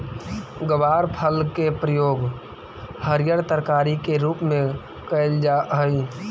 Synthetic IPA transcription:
ɡəʋaːɾpʰəlkepɾəjoːɡ | həɾjəɾt̪əɾkaːɾikeɾuːpmẽ | kəɪld͡ʒaɦəj

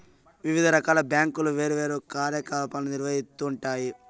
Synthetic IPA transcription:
ʋiʋid̪ʱɐɾɐkaːlɐbjaːŋkuluʋe̞ːɾuʋeːɾukaːɾjɐkaːpaːlnuniɾʋɐɦit̪ːuːɳʈaːji

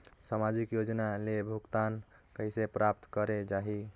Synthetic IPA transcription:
samad͡ʒikjod͡ʒnalebʱuɡt̪an | kəisepɾap̚t̪kəɾed͡ʒaɦi

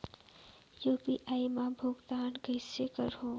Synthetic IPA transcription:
juːpiʔaːimãbʱʊɡt̪aːnkəɪsekəɾɦõː

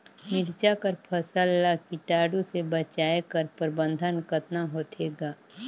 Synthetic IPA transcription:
mɪɾt͡ʃakəɾpʰɐsəlːakiʈaːɖũsebət͡ʃaːekəɾpəɾbə̃nd̪ʱənkət̪naɦoːt̪eːɡaː

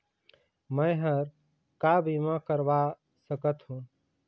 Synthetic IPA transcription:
məjɦəɾ | kabimãkəɾba | səkət̪ɦũ

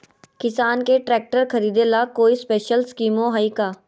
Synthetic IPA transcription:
kɪsaːnkeʈɾɛːk̚ʈəɾkʰɐɾiːd̪elaːkoːispeːʃəlskiːmõɦaikaː

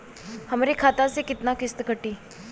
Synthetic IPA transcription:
həmːɾekʰaːt̪asekɪt̪nakɪst̪kəʈiː

